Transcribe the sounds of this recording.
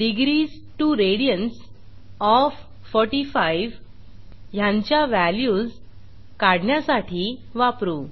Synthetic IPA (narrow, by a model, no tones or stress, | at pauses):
ɖiɡɾiːs | ʈuːɾeɽijəns | ɔfː | ɔɾʈifaiʋ | jãɲt͡ɕjaʋæljuːd͡z | kaɽɳjasaʈʰiːʋapɾuː